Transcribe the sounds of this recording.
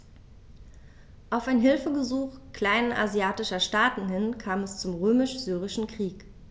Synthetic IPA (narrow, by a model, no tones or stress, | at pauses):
ʔaʊfaɪnɦɪlfəɡəzuːχkl̥aɪnəʔa̰ziaːtɪʃɐʃtaːtn̩hɪnkʰaːmɛst͡sʊmʁøːmɪʃz̥yːʁ̞ɪʃn̩kʁ̥iːk